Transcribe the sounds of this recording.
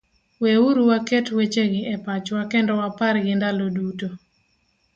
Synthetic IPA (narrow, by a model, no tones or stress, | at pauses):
weuɾuwaketwet͡ʃeɡɪʔɛpat͡ʃwakɛndɔwapaɾɡɪndaloduto